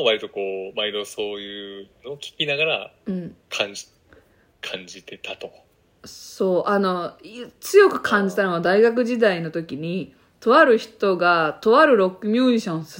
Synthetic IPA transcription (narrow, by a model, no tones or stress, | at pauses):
βaɾʲit̪o̞ko̞ːmaid̪o̞so̞ːjɯ̟ːno̞ːkʲi̥kʲinaɡaɾa̰ɯ̟̃ɴkʰãɲi | kʰãɲd͡ʑit̪e̞t̪ʰat̪o | so̞ːʔano̞t͡sɨjo̞kɯ̟̥kʰãɲ̟d͡ʑit̪anoɡad̪aiɡakɯ̟ʑid̪aino̞t̪o̞kʲiɲ̟i | t̪o̞βaɾɯ̟çi̥t̪o̞ɡat̪o̞βaɾɯ̟ɾo̞kːɯ̟mʲuːɕõ̞ɰ̃sɨ